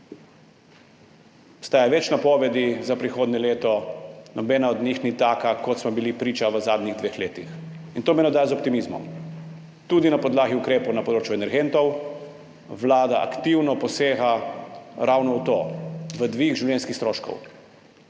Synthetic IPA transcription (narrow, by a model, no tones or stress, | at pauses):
ɔpst̪aːjaʋɛt͡ʃnapɔʋɛd̪izapɾixoːd̪nɲɛleːt̪ɔnʔɔbɛːnaɔd̪ɲixnit̪aːkakɔt̪smɔbilipɾiːt͡ʃaʋəzaːd̪niɣd̪ʋeːxleːt̪ixint̪oːmɛnɔd̪aːjzɔp̚t̪imizmɔ̰m | t̪ud̪inapɔd̪laːɣiukɾeːpɔwnapɔd̪ɾoːt͡ʃjuɛnɛɾɡent̪ɔw | ʋlaːd̪aʔa̰kt̪iwnɔpɔseːɣa | ɾawnɔut̪oːʋəd̪ʋiɣʒiwlʲjɛnskixst̪ɾoːʃkɔ̰w